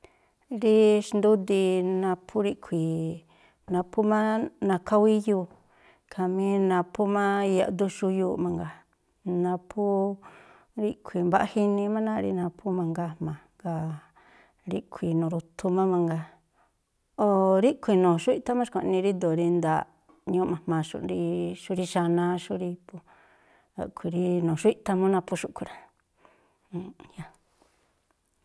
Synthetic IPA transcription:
ɾi˧ʃnd̪u˦d̪i˧nã˧pʰu˦ɾi˦ʔkʰʷi˨ | nã˧pʰu˦mã˦nã˧kʰa˦wi˦juː˧˨ | kʰa˨mĩ˧˦nã˧pu˦mã˦˧ja̰˧ʔd̪u˦ʃu˧juː˧mã˧ŋɡa˧˨ | nã˧pʰu˦ | ɾi˦ʔkʰʷi˨mba˧˦ʔa˦hi˦nĩ˧mã˦nã˦˧ɾḭ˧nã˧pʰu˦mã˧ŋɡa˧mã˨ŋɡa˧ | ɾi˦kʷʰi˧nũː˨ɾu˧t̪ʰu˧mã˦mã˧ŋɡa˧ | o˧ɾi˦kʷi˧nõː˨ʃu˦i˦ʔt̪a˦mã˦ʃkʷa˨˧nĩ˧ɾi˦d̪o˨ɾi˧nd̪a˨ | ɲũ˧˦mã˨hmã˧˨ʃṵ˧ʔɾi˧ʃu˦ɾi˧ʃa˧nã˧ʃu˦ɾi˧pu˧ | a̰˧kʷi˧ɾi˧nũ˨ʃu˦i˦t̪a˧mũ˦nã˧pu˧ʃu˦˧kʷu˧ɾa˨ | ja˧

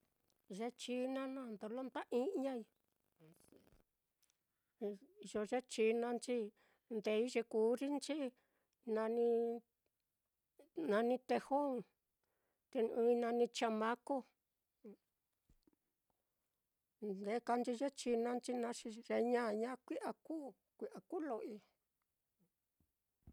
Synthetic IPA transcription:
ʐe˧˦t͡ʃi˧˦nã˦nã˧nd̪o˧lo˦nt̪a˦ʔĩ˦ɲã˦i˧ | ʒo˧ʐe˦t͡ʃi˧˦nã˧nt͡ʃi˦ | nd̪e˨˧˦i˦ʐe˧kuː˨˦ɾi˦nt͡ʃi˦ | nã˧nĩ˧ | nã˧nĩ˧t̪e˧ho˦˧˨ | t̪e˧ũː˧i˧nã˧nĩ˧t͡ʃa˧mã˦ko˦˧ | d̪e˧˦ka˧nt͡ʃi˧ʐe˦t͡ʃi˧nã˧nt͡ʃi˦nã˧ʂi˧ʒe˧ɲã˦˧ɲã˦kʷi˦ʔa˧kuː˦ | kʷi˧ʔa˨˧ku˦lo˧ʔi˧

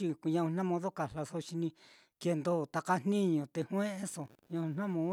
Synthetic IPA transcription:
i˧ku˧ɲã˧ũ˧n̥ã˦mõ˧ðo˦ka˨la˧so˧ʃi˧nĩ˧ | ke˧nd̪o˦˨t̪a˧ka˧n̥nĩ˦ɲõ˧t̪e˧hw̃ẽ˦ʔe˦so˨ɲã˧ũ˧n̥nã˦mõ˧

